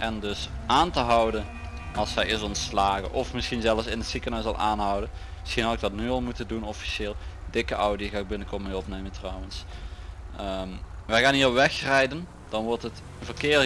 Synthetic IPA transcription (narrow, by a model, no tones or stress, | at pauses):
ʔɛndɵsʔaːntəɦʌwdən | ɑlˠsɛjɪsɔntslaːɣə̰ʔɔfmɪsxinzɛləfsɪnətsikənœɥsɑ̰lˠʔa̰ːnɦʌwdən | mɪsxinɦɑɪɡ̚dɑtnyɑlˠmutəndunɔfi̥ʃɪːlˠdɪkəʔɔwdiɣaːɪɡ̚bɪnəkɔmeːɔpnejməntrɔwəns | əmʋɛjɣaːnɦiːrɔpʋɛxrɛjdən | d̥ɑnʋɔɹtət | vərkɪː